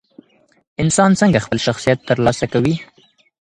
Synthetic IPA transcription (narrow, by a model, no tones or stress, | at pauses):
ɪnsɑnt͡səŋɡaxpəlʃaxsijat̪ːəɾlɑsakawi